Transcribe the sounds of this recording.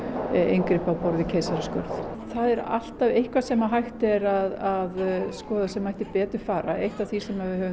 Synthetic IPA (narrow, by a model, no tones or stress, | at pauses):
ḛjŋkɾɪpawpɔɾðɪcʰeːjsaɾɪskœ̰ɾθ | θaðɛɾa̰l̥t̪avejhkvasɛmaɦajht̪ɛɾaðaðskɔːðasɛmːajht̪ɪpɛːt̪ʏɾ̥faːɾa̰ʔejht̪av̥θisɛmːavɪhɛvʏ